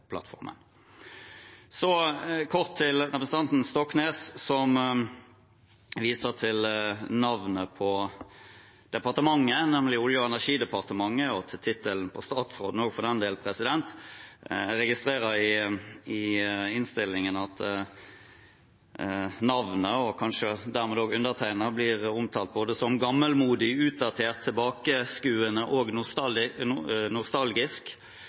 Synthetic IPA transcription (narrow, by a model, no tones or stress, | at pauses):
pʰlɑ̰t̪fɔ̰ʁmʔə̰n | sɔkʰɔʁt̪ʰːɪlʁɛpɾəsn̩ɑnt̪n̩st̪ɔkːneːssɔm | ʋiːsəʁt̪ʰɪlnɑʋnəpʰɔ | d̪̥ɛpɑʁt̪əmɑŋːənɛmlɪʊljəɛnæʁʂiːd̪ɛpɑʁt̪əmɑŋːəɔt̪ʰɪlt̪ʰɪt̪ʰːəln̩pʰɔst̪ɑːt̪sʁoːd̪noːɡfɔʁd̪ɛnd̪eːlpʰɾɛsɪd̪ɛnt̪ | ɾɛɡɪst̪ɾeːɾəɾɪɪɪnst̪ɪlːɪŋənɑt̪ | nɑʋnəɔkʰɑnʂəd̪æʁmɛːd̪oːɡʉnd̪əʁt̪ʰæɪnəʁblɪːʁʊmt̪ʰɑːlt̪̚boːd̪əsɔmɡɑmːəlmuːd̪ɪʉːt̪̚d̪ɑt̪ʰeːʁt̪ʰːɪlbɑːkəskʉːənəʔɔɡ̪ | nʊst̪ɑlɡɪsk